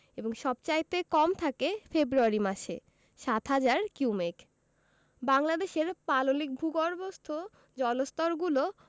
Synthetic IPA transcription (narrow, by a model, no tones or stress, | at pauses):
eboŋʃɔbt͡ɕajt̪ekɔmt̪ʰakefebɾuaɾimaʃḛ | ʃat̪ʰɦad͡ʑaɾkumek | baŋlad̪eʃeɾpalolik̚bʱuɡɔɾbost̪ʰo | d͡ʑɔlost̪ɔɾɡulo